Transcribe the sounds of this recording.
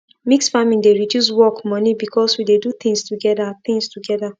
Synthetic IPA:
miksfamĩŋdeɹidjus̬wɔkmɔnibikʰɔswidedut̪ĩŋstuɡɛðaθĩŋstuɡɛða

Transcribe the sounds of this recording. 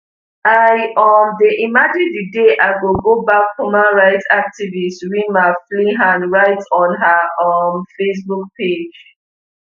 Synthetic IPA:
aɪɔndeʔimad͡ʒɛdideʔaɪɡoɡobakhumãnɹaɪtak̚tivistwĩnmafliɦãnɹaɪtɔ̃nɦaʌmfes̬buk̚pʰed͡ʒ

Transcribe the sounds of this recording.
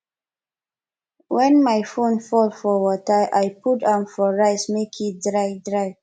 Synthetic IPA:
wɛ̃nmajfõnfɔlfɔwɔtəʔajputãmfɔɹaɪsmekʰidɹaɪdɹaɪ

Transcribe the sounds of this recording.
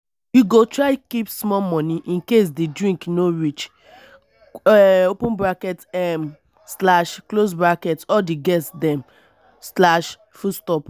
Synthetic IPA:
juɡotɹaɪkipsmɔmɔ̃niʔĩnkes̬dedɹĩŋknoɹit͡ʃ | opũnbɹakɛtɛm | slaʃklos̬bɹakɛtɔdeɡɛsdɛ̃m | slaʃ | fustɔp

